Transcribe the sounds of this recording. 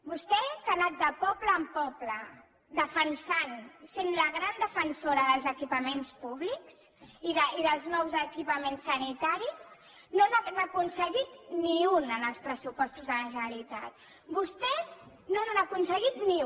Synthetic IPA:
bust̪ɛkənat̪̚d̪əpɔpləːmpɔplə | d̪əfənsansenləɣɾand̪əfənsoɾəðəlˠzəkipəmenspuβlikz̥ | iðəiðəlˠznɔwzəkipəmensːənit̪aɾis | nonaɣɛməkunsəɣit̪niunənəlˠspɾəsupɔst̪uzðələʒənəlit̪at̪̚ | bust̪ɛz | nonanakunsəɣit̪ni

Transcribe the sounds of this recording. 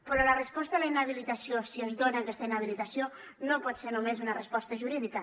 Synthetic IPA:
pɾɔlərəspɔst̪alainaβ̞ilit̪asiosiezðonakɛst̪ainaβilit̪asio | nopɔt̪senumezunɐrəspɔst̪əʒuɾiðikə

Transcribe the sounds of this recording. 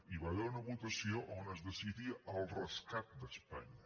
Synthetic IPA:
iβaβeɾunəβut̪əsioʔonəzdəsiðiəʔəlˠrəskat̪̚d̪əspa̰ɲə

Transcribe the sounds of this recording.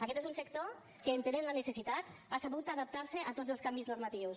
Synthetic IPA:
ɐkɛt̪ezunsəkt̪o | kəːnt̪ənenlənəsəsit̪at̪asaβut̪aðap̚t̪aɾsəʔat̪od͡zəlˠskambiznuɾmat̪iws

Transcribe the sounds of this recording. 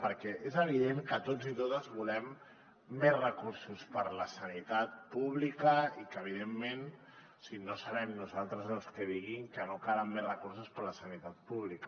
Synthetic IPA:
pəɾkɛʔezəβiðeŋkət̪od͡zit̪ot̪əzβulɛmː | ɛzrəkuɾsuspəɾləsənit̪at̪̚puβ̞likəikəβ̞iðemːen | sinosəβɛmnuzalˠt̪ɾəzəlˠskəðiɣiŋkənokaɾamːezrəkuɾsuspəɾləsənit̪at̪̚puβlikə

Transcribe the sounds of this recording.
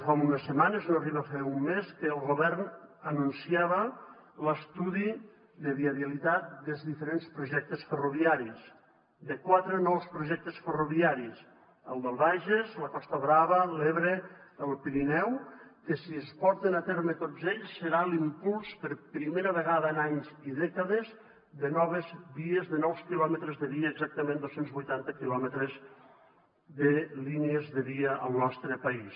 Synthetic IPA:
famunəsːəmanəznoɐriβəfɛumːeskəːlˠɣoβɛrnənunsiaβə | ləst̪uði | ðəβiaβiəlit̪at̪̚d̪əlˠzðifəɾenspɾuʒɛk̚t̪əsfəruβiaɾis | d̪əkwat̪ɾənɔwspɾuʒɛk̚t̪əsfəruβiaɾis | əlˠd̪əlˠβaʒezləkɔst̪əβɾaβəleβɾeəlˠpiɾinɛwkəsiəspɔɾt̪enat̪ɛɾmət̪od͡zzeʎsːəɾalimpulˠspəɾpɾimeɾəβəɣaðəːnaɲziðɛkəðəz | ðənɔβəzβiezðənɔwskilɔmət̪ɾəzðəðiəːɡzak̚t̪əmẽnd̪osenzβujt̪ant̪əkilɔmət̪ɾəz | ðəlineezðəðiəʔəlˠnɔst̪ɾəpɐis

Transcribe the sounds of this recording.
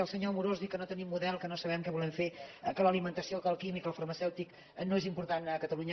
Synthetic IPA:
əlˠsəɲomuɾozðikənot̪ənimːuðɛlˠkənosəβɛmkɛβulɛmfekələlimənt̪əsiokəlˠkimikəlˠfəɾməsɛwt̪ik | noezimpuɾt̪anəkət̪əluɲə

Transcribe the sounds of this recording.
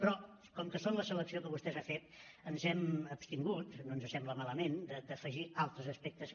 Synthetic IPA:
pɾɔ | kɔmkəsonləsələksiokəβust̪ɛzafet̪ənzɛməpst̪iŋɡut̪noənzəsɛmbləmaləmend̪əd̪əfəʒialˠt̪ɾəzəspɛk̚t̪əs

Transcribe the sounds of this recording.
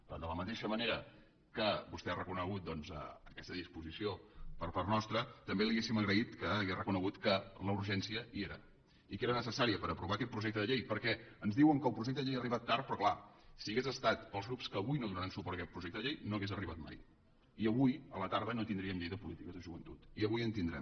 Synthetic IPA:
d̪ələmət̪eʃəməneɾə | kəbust̪ɛarəkunəɣ̞ut̪̚d̪ɔnzə̰əkɛst̪əðispuzisiopəɾpaɾt̪nɔst̪ɾət̪əmbeliɣesiməɣɾəit̪kəːɣerəkunəɣut̪kələuɾʒɛnsiəieɾə̰ | ikeɾənəsəsaɾiəpəɾəpɾuβakɛt̪pɾuʒɛk̚t̪əðəʎejpəɾkɛənzðiwəŋkəlˠpɾuʒɛk̚t̪əðʎejariβat̪ːaɾt̪̚pɾɔklasiəɣezəst̪at̪pəlˠzɣɾupskəːβujnoðunəɾansupɔɾt̪əkɛt̪pɾuʒɛk̚t̪əðəʎejnoəɣezəriβat̪̚ma̰j | iəβujələt̪aɾð̞ənot̪ind̪ɾiəmʎejðəpulit̪ikəzðəʒuβənt̪ut̪iəβujənt̪ind̪ɾɛ̰m

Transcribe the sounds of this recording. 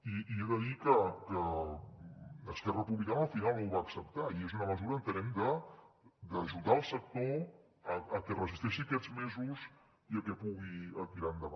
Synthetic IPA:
iieðəðikəkə | əskɛrəpuβlikanəlˠfinalˠuwβaːksəp̚t̪aiezunəməzuɾənt̪ənɛmd̪ə | d̪əʒuðaəlˠsək̚t̪o | əːkɛrəzist̪ɛʃiəkɛd͡zmezuz | iəkɛpuɣiət̪iɾand̪əβa

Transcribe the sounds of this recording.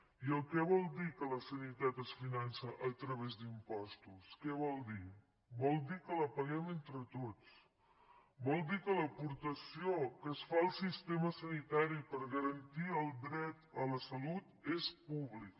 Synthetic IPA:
iəlˠkɛβɔlˠd̪ikələsənit̪at̪əsfinansəʔət̪ɾəβezd̪impɔst̪uskɛβ̞ɔlˠd̪i | bɔlˠd̪ikələpəɣɛment̪ɾət̪ot͡s | bɔlˠd̪ikələpuɾt̪əsiokəsfaəlˠsist̪eməsənit̪aɾipəɾɣəɾənt̪iəlˠd̪ɾɛt̪ələsəlut̪espuβlik

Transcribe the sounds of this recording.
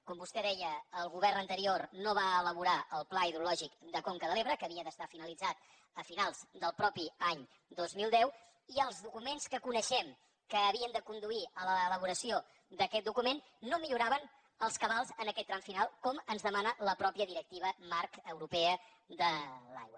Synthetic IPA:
kɔmbust̪ɛðɛjəːlˠɣuβɛrnənt̪əɾiornoβaələβuɾaəlˠplaiðɾulɔʒikd̪əkoŋkəðəlˠeβɾəkəβiəðəst̪afinəlid͡zat̪̚ | əfinalˠz̥d̪əlˠpɾɔpiaɲ | d̪ozmilˠd̪ɛw | iəlˠzðukumenskəkunəʃɛm | kəːβiənd̪əkund̪uiələːləβ̞uɾəsio | d̪əkɛt̪̚d̪ukumenːomiʎuɾaβən | əlˠskəβalˠzənəkɛt̪ːɾaɱfinalˠkɔmənzðəmanələpɾɔpijəðiɾək̚t̪iβ̞əmaɾkəwɾupɛə | d̪əla̰jwə

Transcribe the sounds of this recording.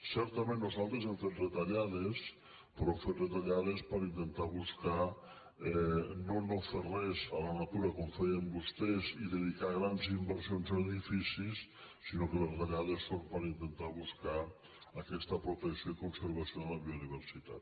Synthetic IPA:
sɛɾt̪amẽnːozalˠt̪ɾezemfet̪̚d̪et̪aʎaðes | pɾɔemfet̪ðet̪aʎaðespəɾint̪ent̪aβuska | ɛnonoferɛzalanat̪uɾakoɱfejembust̪eziðeðikaɣɾanzimbəɾsionzəeðifisis | sinokelezðeʎaðesːompəɾint̪ent̪aβuska | akɛst̪əpɾot̪eksjoikonseɾβasjoðlaβioðiβ̞eɾsit̪a̰t̪

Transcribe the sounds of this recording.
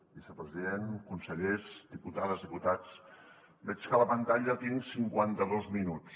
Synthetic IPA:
bisəpɾəziðenkunsəʎezd̪iput̪aðəzðiput̪at͡s | bɛt͡ʃkələpənt̪aʎət̪iŋsiŋkwant̪əðozminut͡s

